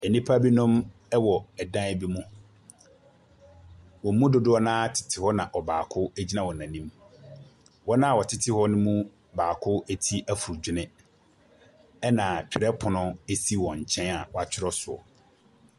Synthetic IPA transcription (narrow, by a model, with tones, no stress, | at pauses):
ɛ˨nĩ˦pʰa˦bi˦nʊ̃˦m | ɛ˦wɔ˨ɛ˨dã˦ɛ˦bi˦mũ˦ | wɔ̃˨m̩˦mũ˦dʊ˨dʊ˦ɔ˦nãː˦tʰɪ̥˨tʰɪ˨hɔ˦nã˨ʔɔ˨baː˨kʰʊ˦æ˦d͡ʑi˦nã˦wɔ˨nã˨nĩ˦m | wɔ˦nã˦˨wɔ˨tʰɪ˨tʰɪ˦hɔ˦nʊ̃˦mũ˦ | baː˨kʰʊ˦e˦tʰi˦ʔæ˦fu˨ɾd͡ʑᶣɪ˦nɪ̃˦ | ɛ˦nã˨t͡ɕᶣɪ˨ɾɛ˦pʰʊ˨nʊ̃˦e˦si˦wɔ̃˨ɲ̩˨t͡ɕʰɛ̃˦na˨wɔ˨a˨t͡ɕʰᶣɪ˦ɾɔ˦sʊ˨ɔ̰˨